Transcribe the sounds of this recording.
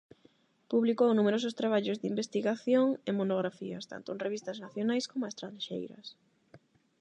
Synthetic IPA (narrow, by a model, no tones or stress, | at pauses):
puβlikownumeɾosʊst̪ɾaβ̞aʎʊzd̪imbest̪iɣaθjoŋemonoɣɾafiɐst̪a̰nt̪ʊnreβist̪ɐznaθjonajskomʊest̪ɾanʃḛjɾɐ̰s